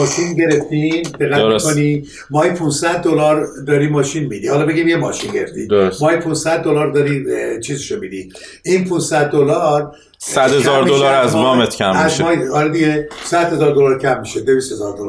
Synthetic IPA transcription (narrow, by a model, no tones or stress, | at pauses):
ɒːʃinɟe̞ɾeft̪id̪̥eɣːæt̪kʰoni | mɒːipʰunsæd̪ːolɒːɾd̪ɒːɾimɒːʃinmid̪ihɒlɒːbe̞ɡimjemɒːʃinɟe̞ɾḛft̪ḭd̪ɾosmɒːjipʰunsæd̪̚ːolɒːɾd̪ɒɾit͡ʃʰiːziʃomid̪i | ʔinpʰunsæd̪̚ːolɒːɾ | sæd̪hezɒːɾd̪olɒɾæzmɒːmet̪ʰcʰæmæzʃmɒːihɒɾɛd̪iɡesæd̪̥he̞zɒːɾd̪olɒɾcʰæmːiʃed̪evist̪hezɒ̰ːɾd̪ol